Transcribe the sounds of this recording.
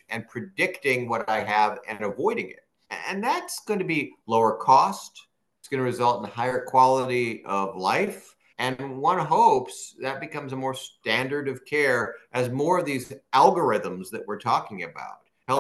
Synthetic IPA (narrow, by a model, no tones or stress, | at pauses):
ɨ̃npʰɹ̥ɨdɪktɪ̃ŋwʌɾaɪɨvɨ̰̃nəvɔɪɾɪ̃ŋɪ̰t̚ | ɨ̰̃nðætsɡ̥ʌɪ̃ntʰɨbiloʊə˞kʰɔst | ɪtsɡ̥ʌ̃ñɨɹɨzʌlˠtn̩ðəhaɪə˞kʰw̥ɑlˠəɾiʌvla̰ɪf | ɨ̃nwʌ̃nɦoʊpsðɨt̚b̥ɨkʌ̃mzəmɔɹstæ̃ndə˞ɾʌv̥kʰɛɹʔɨzmɔɹʌvðizælˠɡə˞ɪðə̃mzðɨʔ̚wəɹtʰɔkɪ̃ŋɨba̰ʊt̚hɛ